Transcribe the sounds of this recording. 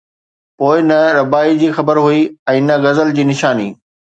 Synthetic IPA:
poːɪnɐɾɐbaːid͡ʑiːxɐbəɾɦuiɛ̃ːnɐɣɐzəld͡ʑiːnɪʃaːniː

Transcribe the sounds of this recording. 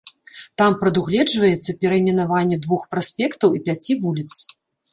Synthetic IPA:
t̪ampɾɐd̪uɣlʲɛd͡ʐvɐjɛt̪sːɐpʲɛɾɐimʲɛnavanʲːɛd̪vuxpɾasʲpʲɛkt̪ɐwipʲat͡sʲivulʲit̪s

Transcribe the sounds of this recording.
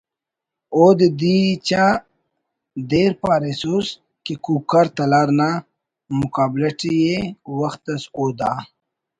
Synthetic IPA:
oːd̪ed̪it͡ɕa | d̪eːɾpaːɾesus | kekuːb̚kaɾt̪ɐlaːɾna | mʊkaːblɐʈijewɐxt̪ɐsoːd̪a

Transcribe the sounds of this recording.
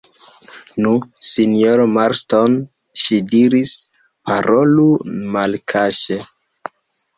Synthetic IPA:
nusinioɾmaɾston | ʃidiɾis | paɾʔolumalkʰaʃe

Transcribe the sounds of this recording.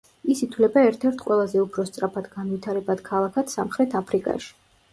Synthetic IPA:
isit̪ʰwlɛbaɛɾt̪ʰɛɾt̪ʰqʼwɛlˠazɛupʰɾɔst̪sʼɾapʰad̪ɡanvit̪ʰaɾɛbad̪̥kʰalˠakʰat̪samχɾɛt̪ʰapʰɾikʼa̰ʃi̥

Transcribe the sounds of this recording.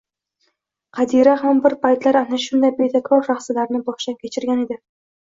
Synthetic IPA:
qʰɑd̪iɾaɦambɪɾpʰajt̪laɾanaʃʊnd̪ajbet̪ʰakɾɒɾʃaχsɪlaɾnɪbɒχʃankʲʰe̞t͡ʃʰɪɾɡʲane̞d̪ɪ

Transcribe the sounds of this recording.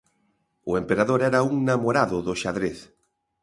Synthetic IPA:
oempeɾaðoɾɛɾauŋnamoɾaðʊðoʃaðɾeθ

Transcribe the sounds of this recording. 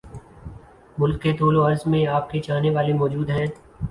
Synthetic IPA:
mʊlkːet̪oːloɐɾzmẽaːp̚ket͡ʃaːneʋaːlemɔːd͡ʒuːd̪ɦɛ̃ː

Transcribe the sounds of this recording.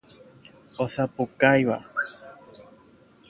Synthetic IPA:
osapukajwa

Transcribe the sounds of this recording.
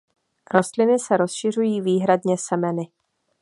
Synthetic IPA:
ɾo̞st̪lɪnɪsɛɾo̞sʃɪr̝ujiːviːɦɾadɲɛsɛmɛnɪ

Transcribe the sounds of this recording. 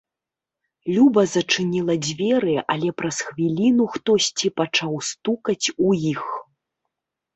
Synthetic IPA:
lʲubɐzɐt͡ʂɨnʲilˠɐd͡zʲvʲɛɾɨʔɐlʲɛpɾɐsxvʲilʲinuxt̪ɔsʲt͡sʲipat͡ʂawst̪ukɐt͡sʲujix

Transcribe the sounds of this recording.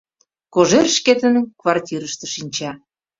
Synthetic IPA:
koʒerʃket̪ə̆nənkvɑrtʲiɾəʃt̪ə̥̆ʃinʲt͡ɕɑ

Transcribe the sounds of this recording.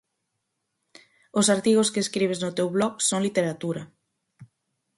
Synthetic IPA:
osaɾt̪iɣ̞oskeːskɾiβ̞eznʊt̪ewβlɔɣsoŋlit̪eɾat̪uɾɐ

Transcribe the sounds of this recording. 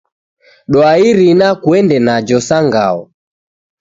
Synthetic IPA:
ɗɔaiɾinakwɛndɛnad͡ʒɔsaŋɡa̰ɔ

